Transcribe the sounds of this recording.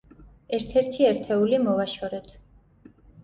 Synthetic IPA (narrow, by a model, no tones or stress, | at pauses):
ɛɾt̪ʰɛɾt̪ʰiɛɾt̪ʰɛulimɔvaʃɔɾɛt̪ʰ